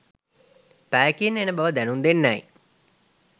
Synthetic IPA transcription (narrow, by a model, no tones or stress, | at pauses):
pæːkinenəbaʋəd̪ænund̪enːæj